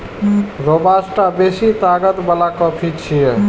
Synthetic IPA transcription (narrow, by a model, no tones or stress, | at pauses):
ɾobasʈabesit̪aɡət̪balakɔpʰit͡ʃʰijɛ